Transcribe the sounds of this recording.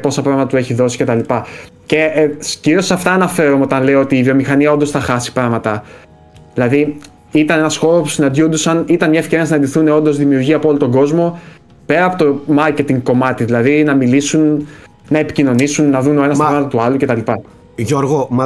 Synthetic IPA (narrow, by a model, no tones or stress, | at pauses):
po̞sɐpɾɐɣmɐt̪ɐt̪ue̞çiðo̞si̥ce̞t̪ɐlipɐ | ce̞sciɾio̞sɐft̪ɐːnɐfe̞ɾumo̞t̪ɐnle̞oo̞t̪iːvio̞mixɐniɐo̞nd̪o̞sθɐxɐsi̥pɾɐɣmɐt̪ɐ | ðilɐði | it̪ɐne̞nɐsxo̞ɾospu̥sinɐnd̪jond̪usɐnit̪ɐnmɲɐe̞fce̞ɾiɐsinɐnd̪iθune̞o̞nd̪ozðimiuɾʝiɐpoolot̪o̞ŋɡo̞zmo̞ | pe̞ɾɐːpo̞t̪o̞mɐɾce̞t̪iŋɡko̞mɐt̪iðilɐðinɐmilisun | nɐe̞pi̥cino̞nisunːɐðune̞nɐspɾɐmɐt̪ɐt̪uɐlucet̪ɐlipɐ | ʝoɾɣo